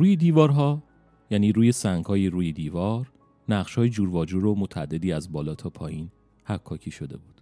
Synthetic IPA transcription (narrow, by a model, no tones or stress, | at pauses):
ɾuːjed̪iːvɒːɾɦɒː | jæniːɾuːjesæŋɡhɒːjiɾuːjed̪iːvɒːɾ | næʁʃhɒːjed͡ʒuːɾvɒːd͡ʒuɾomot̪ʰæ̰d̪ːe̞d̪iːæzbɒːlɒːt̪ʰɒpʰɒːjiːn | hækʰːɒːcʰiːʃo̞d̪e̞̰buːd̪̥